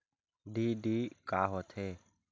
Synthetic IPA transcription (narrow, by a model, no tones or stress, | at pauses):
ɖiːɖiːkaːɦoːt̪ʰeː